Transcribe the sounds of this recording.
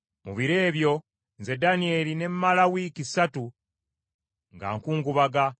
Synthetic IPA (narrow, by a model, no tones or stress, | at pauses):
muβiɾe̞ːβjo̞ | nze̞danie̞line̞mmalawikisatu | ŋɡa̰ːŋkuːŋɡuβaɡa